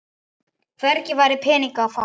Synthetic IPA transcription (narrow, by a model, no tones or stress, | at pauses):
kvɛœɾcɪvaːɾɪpʰɛːniŋkaːfa